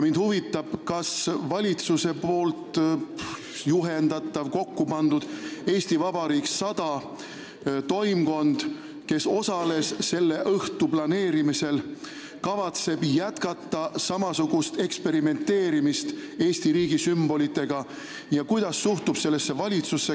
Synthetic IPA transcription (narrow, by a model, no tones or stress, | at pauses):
mind̪̥huvit̪ːˑɑb̥kɑsvɑlʲit̪suse̞po̞ːlt̪ | juɦe̞nd̪̥ɑt̪ːˑɑvko̞kːupɑnd̪ud̪̥e̞ːsʲt̪ivɑbɑɾiːkssɑd̪̥ɑ | t̪o̞jmko̞nd̪̥ | ke̞so̞sɑle̞sːe̞lːe̞ʔɤht̪uplɑne̞ːɾimise̞l | kɑvɑt̪se̞b̥jæt̪kɑt̪ːˑɑsɑmɑsuɡ̥ust̪e̞kspe̞ɾime̞nt̪ːe̞ːɾimist̪e̞ːst̪iɾiːɡ̥isymb̥o̞lit̪ːˑe̞ɡ̥ɑ | jɑkujd̪̥ɑsːuht̪ub̥se̞lːe̞sːe̞vɑlʲit̪susːe